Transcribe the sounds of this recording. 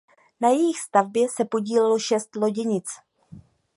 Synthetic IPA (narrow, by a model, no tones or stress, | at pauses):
najɛjɪxst̪avbjɛsɛpo̞ɟiːlɛlo̞ʃɛst̪lo̞ɟɛɲɪt͡s